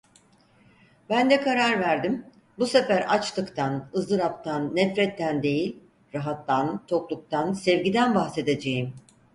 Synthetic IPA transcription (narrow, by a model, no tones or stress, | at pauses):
bænd̪ɛkʰaɾaɾvæɾd̪im | busefæɾat͡ʃt̪ʰɯkt̪ʰanɯzlˠɯɾap̚t̪ʰanːɛfɾɛt̪ʰːænd̪e̞jilʲ | ɾaɦat̪ʰːant̪ʰo̞klˠuk̚t̪ʰansɛvɟid̪ænbaxse̞d̪ed͡ʒe̞jim